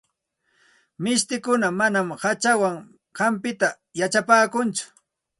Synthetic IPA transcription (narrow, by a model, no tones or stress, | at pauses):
mɪst̪ɪkʊnamanamhat͡ʃawaŋ | ɢɑmpɪt̪a | jat͡ʃapaːkʊnt͡sʊ̥